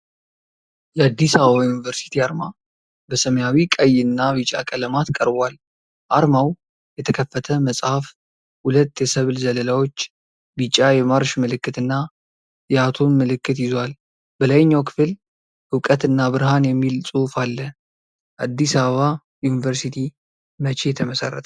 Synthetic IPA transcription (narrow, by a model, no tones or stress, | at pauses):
jɛad̪ːisaβəβajunivəɾsi̥t̪ʰiaɾma | bəsəməjawikʼəjɪnːaβit͡ʃʼa̰kʼələmat̪kʼəɾbʷal | ʔaɾmaw | jɛt̪ʰəkʰəfːət̪ʰəməsʼhaf | hulət̪ːjɛsəβlzələlawo̞t͡ʃː | bit͡ʃʼːajɛmaɾʃmɨlɨkːɨt̪ɨnːa | jɛat̪ʰonmɨlɨkːɨt̪jɪzwal | bəlajɲːawkʰɨ̥fɨl | hɨwkʼət̪ɨnːabɨɾɦanjɛmːilsʼufalːə | ʔad̪ːisaβəβa | junivəɾsit̪ʰi | mət͡ʃʰejɛt̪ʰəməsə̰rːə̰t̪ʰə